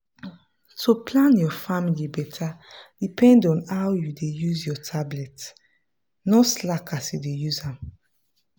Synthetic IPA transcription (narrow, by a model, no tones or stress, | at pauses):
tʰopʰlãnjɔfamilibɛtʰadipʰɛ̃ndɔ̃nawjudejuzjɔtʰablɛt | nɔslakʰasjudejuzãm